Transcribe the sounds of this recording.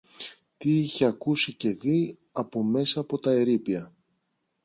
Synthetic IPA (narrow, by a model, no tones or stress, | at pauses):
t̪iiçe̞ɐkusice̞ði | ɐpo̞me̞sɐːpo̞t̪ɐe̞ɾipiɐ